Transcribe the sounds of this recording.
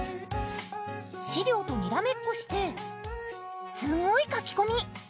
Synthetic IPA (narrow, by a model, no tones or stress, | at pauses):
ɕiɾʲjo̞ːt̪o̞mʲiɾame̞kːo̞ɕi̥t̪e̞ | sɨŋɡo̞ikakʲi̥ko̞ɲ̟i